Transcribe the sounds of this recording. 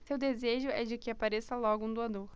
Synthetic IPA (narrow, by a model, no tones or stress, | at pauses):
sewd̪ezeʒʊɛd͡ʒɪkɪapaɾesɐlɔɡʊũd̪uad̪oɾ